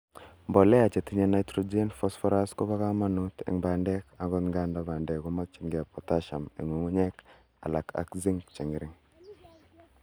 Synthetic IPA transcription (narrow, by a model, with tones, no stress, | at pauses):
mbɔ˨lɛ˦a˨t͡ʃe˨ti˦ɲɛ˦na˨jtɾɔ˦d͡ʒe˦nfɔ˦sfɔ˦ɾa˦skɔ˦βa˦ka˦ma˦nu˦tḛ˨ŋba˨ndɛ˦ka˨ɡɔ˦nŋɡa˦nda˦ba˨ndɛ˨kɔ˦ma˦k̚t͡ʃi˨ŋɡɛ˨pɔ˨ta˦ʃa˨mḛ˨ŋu˨ŋu˦ɲɛ˦k | a̰˨la̰˨kʰa̰˨kzi˦ŋt͡ʃi˨ŋi˨ɾɪ˦ŋ